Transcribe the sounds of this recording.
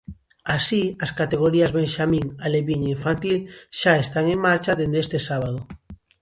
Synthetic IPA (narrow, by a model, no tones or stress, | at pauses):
asiaskat̪eɣ̞oɾiazβeŋʃamĩŋaleβiɲiɱfant̪ilʃaest̪aŋeŋmaɾt͡ʃaðend̪est̪esaβ̞að̞o